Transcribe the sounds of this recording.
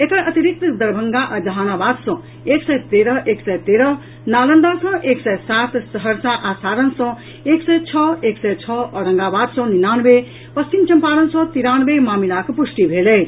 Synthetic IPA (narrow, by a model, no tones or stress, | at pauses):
ekʌʔʌt̪iɾik̚t̪d̪ɐɾbʱʌŋɡaʔd͡zʌɦanabad̪sʌ̃ | eksʌjt̪eɾʌʔeksʌjt̪eɾʌ | nalʌnd̪asʌ̃ʔeksʌjsat̪sʌɦʌɾsaʔasaɾʌnsʌ̃ | eksʌjt͡sʰʌeksʌjt͡sʰʌʌɾʌŋɡabad̪sʌ̃ninanbe | pʌst͡ʃimt͡ʃʌmpaɾʌnsʌ̃t̪iɾanbemamilakopusʈibʱelej